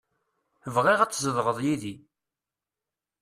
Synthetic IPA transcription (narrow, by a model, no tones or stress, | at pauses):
əvʁiʁæt͡sːzəðʁəðˤjiði